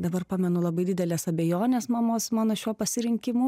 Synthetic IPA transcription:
d̪ɐbɐɾpɑːmʲɛnʊlˠɐbɐɪd̪ʲɪd̪ʲɛlʲeːsɐbʲeːjoːnʲeːsmɑːmoːsmɑːnoʃʲuɔpɐsʲɪɾʲɪŋʲkʲɪmʊ

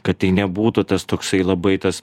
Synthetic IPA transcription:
kɐt̪t̪ɐɪnʲɛbuːt̪ut̪ɐst̪oːksɐɪlˠɐbɐɪt̪ɐs

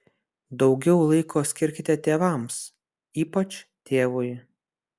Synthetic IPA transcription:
d̪ɒʊɡʲɛʊlˠɐɪkʰoːsʲkʲɪɾʲkʲɪt̪ʲɛt̪ʲeːʋɐˑms | iːpɐt͡ʃʲt̪ʲʰeːʋʊj

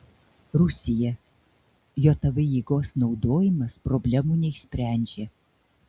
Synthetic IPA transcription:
ɾʊsʲɪjɛ | joːt̪ɐʋɐjiːɡoːsnɒʊd̪oːjɪmɐspɾɔbʲlʲɛmuːnʲɛɪʃʲsʲpʲɾʲæˑnʲd͡ʒʲeː

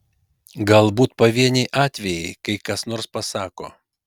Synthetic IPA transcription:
ɡɐlˠbuːt̪̚pɐʋʲiɛnʲɛɪʔɑːt̪ʲʋʲɛjɛɪkɐɪkɐsnoːɾspɐsɑːko̰ː

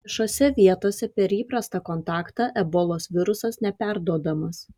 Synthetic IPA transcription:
ɛʃoːsʲɛʋʲiɛt̪oːsʲɛpʲɛɾiːpɾɐst̪ɑkɔnt̪ɑːkt̪ɑːʔɛboːlˠoːsʋʲɪɾʊsɐsnʲɛpʲæɾd̪uɔd̪ɐmɐs

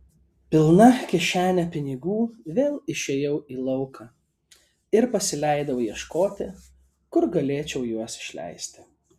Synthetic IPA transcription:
pʲɪlˠnɐkʲɛʃʲæːnʲɛpʲɪnʲɪɡuːʋʲeːlˠɪʃʲeːjɛʊiːlˠɐʊkɑː | ɪɾpɐsʲɪlʲæˑɪd̪ɐʋʊjiɛʃkoːt̪ʲɪ | kʊɾɡɐlʲeːt͡ʃʲɛʊjuɔsɪ̥ʃʲlʲæ̰ɪsʲt̪ʲɪ̥

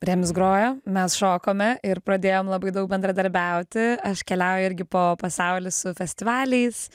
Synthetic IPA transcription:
ɾʲɛmʲsɡɾoːjoːmʲɛsʃoːkoːmʲɛʔɪɾpɾɐd̪ʲeːjoːmlˠɐbɐɪd̪ɐʊk̚bʲɛnd̪ɾɐd̪ɐɾʲbʲɛʊt̪ʲɪɐʃkʲɛlʲɛʊjoɪɾʲɡʲɪpoːpɐsɐʊlʲɪssʊfʲɛsʲt̪ʲɪʋɑːlʲɛɪs

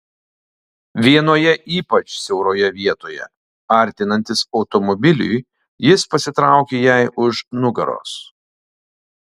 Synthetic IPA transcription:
ʋʲiɛnoːjɛʔiːpɐt͡ʃsʲɛʊɾoːjɛʋʲiɛt̪oːjɛ̰ | ɐˑɾʲt̪ʲɪnɐnʲt̪ʲɪsɒʊt̪ɔmɔbʲɪlʲʊ̰j | jɪspɐsʲɪt̪ɾɑˑʊkʲeːjɛɪʔʊʃnʊɡɐ̰ɾo̰ːs

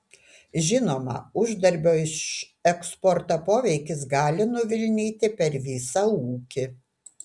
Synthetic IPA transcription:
ʒʲɪnoːmɐ̰ʊʒd̪ɐɾʲbʲoːɪʃ | ɛkspɔɾt̪ɐpoːʋʲɛɪkʲɪs̬ɡɑːlʲɪnʊʋʲɪlʲnʲiːt̪ʲɪpʲɛɾʋʲiːsɐuːkʲɪ

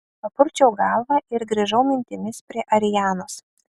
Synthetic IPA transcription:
pɐpʊɾʲt͡ʃʲɛʊɡɑlˠʋɑʔɪɾɡɾʲiʒɐʊmʲɪnʲt̪ʲɪmʲɪspʲɾʲiɛʔɐɾʲɪjæːnoːs

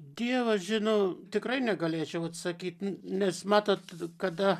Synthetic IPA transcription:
d̪ʲiɛʋɐsʒʲɪnoːt̪ʲɪkrɐɪnʲɛɡɐlʲeːt͡ʃʲɛʊɐt̪sɐkʲiːt̪nʲɛsmɑːt̪oːt̪kɐd̪ɐ

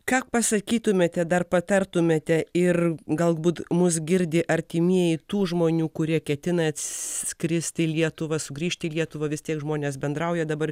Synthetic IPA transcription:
kɑːpɐsɐkʲiːt̪ʊmʲeːt̪ʲɛd̪ɐrpɐt̪ɐrt̪ʊmʲeːt̪ʲɛɪrɡɐlˠbuːt̪mʊs̬ɡʲɪɾʲd̪ʲɪʔɐɾʲt̪ʲimʲiɛjɪt̪uːʒmoːnʲuːkʊɾʲiɛkʲɛt̪ʲɪnɐɐt̪ʲsʲkɾʲɪsʲt̪ʲɪlʲiɛt̪ʊʋɐsʊɡɾʲiːʃʲt̪ʲɪːlʲiɛt̪ʊʋɐʋʲɪst̪ʲiɛkʒmoːnʲeːs̬bʲɛnd̪ɾɐʊjɛd̪ɐbɐr

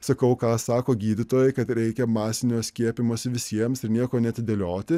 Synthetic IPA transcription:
sɐkɐʊkɑːsɑːkoːɡʲiːd̪ʲɪt̪oːjɛɪkɐt̪ɾʲɛɪkʲɛmɑːsʲɪnʲoːsʲkʲiɛpʲɪmoːsʲɪʋʲɪsʲiɛmsɪɾnʲiɛkoːnʲɛɐt̪ʲɪd̪ʲelʲoːt̪ʲɪ

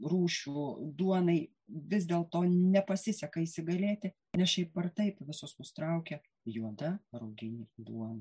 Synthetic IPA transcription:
ruːʃʲuːd̪uɔnɐɪ | ʋʲɪzʲd̪ʲeːlˠt̪oːnʲɛpɐsʲɪsʲɛkɐiːsʲɪɡɐlʲeːt̪ʲɪ | nʲɛsʃʲɛɪpɐrt̪ɐɪpʋʲɪsʊsnʊst̪ɾɐʊkʲɛ | juɔd̪ɐɾɐʊɡʲɪnʲɪd̪ṵɔnɐ

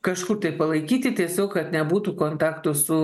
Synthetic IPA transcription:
kɐʃkʊrt̪ɐɪpɐlˠɐɪkʲiːt̪ʲɪt̪ʲiɛsʲoːkkɐt̪nʲɛbuːt̪uːkoːnt̪ɑːkt̪ʊsʊ

